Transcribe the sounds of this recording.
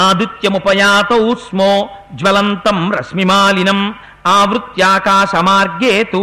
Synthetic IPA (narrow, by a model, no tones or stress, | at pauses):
aːd̪ut̪jɐmupɐjaːt̪ɐusmoː | d͡ʒʋɐlɐnt̪ɐmɾɐ̰smimaːlinɐm | aːʋɾut̪jaːkaːʃɐmaːɾɡjeːt̪u